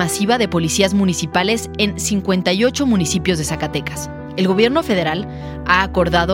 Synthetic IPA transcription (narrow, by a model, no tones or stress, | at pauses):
asiβaðe̞po̞lisiazmũnisipale̞se̞nsiŋkwe̞nt̪ajo̞t͡ʃo̞mũnisipjo̞zðe̞sakat̪e̞kḁs | e̞lɣo̞β̞je̞ɾno̞fe̞ð̞e̞ɾal | aːko̞ɾðaðo